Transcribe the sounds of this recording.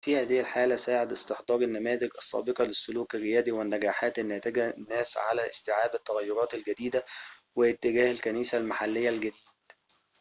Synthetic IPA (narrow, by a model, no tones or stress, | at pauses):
fiːhæːðɪhɪlħaːlæsaːʕed̪ɪst̪ɪħd̪ˤɑːɾˤɪnːæmæːzɪɡʔɑsˤːɑ̰ːbeqɑlɪsːʊluːkrːɪjæːd̪iwɪnːæɡæːħaːt̪ɪnːæːt̪ɪɡænːæːsʕa̰læʔɪst̪ɪʕaːbɪt̪ːæɣæjːʊɾˤɑːt̪ælɡæd̪iːd̪æwɪt̪ːɪɡæːhɪlkæniːsælmaħalːɪjːælɡæd̪iːd̪̥̚